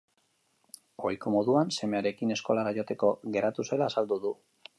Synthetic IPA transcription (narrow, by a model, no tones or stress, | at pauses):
ojko̞mo̞ðuanse̞me̞aɾe̞kine̞sko̞laɾaʝo̞t̪eko̞ɣe̞ɾat̪use̞laːsald̪uðu